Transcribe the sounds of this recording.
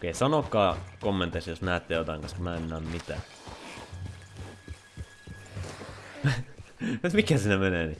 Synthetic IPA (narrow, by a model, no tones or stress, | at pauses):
okːeisɑnokːɑːkomːent̪esjosnæːt̪ːejjot̪ɑˑiŋkɑnskɑmæːenːæːmmit̪æ̰ː | mut̪mikhæsiːnæmeneːni